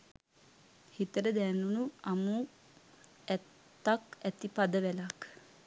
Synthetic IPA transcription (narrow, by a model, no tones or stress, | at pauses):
hit̪əɾəd̪ɛnunuamu | æt̪ːakæt̪ipad̪əʋælak